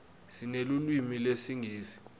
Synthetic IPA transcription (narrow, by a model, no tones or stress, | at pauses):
sinelulwimilesiŋʱiːsi̥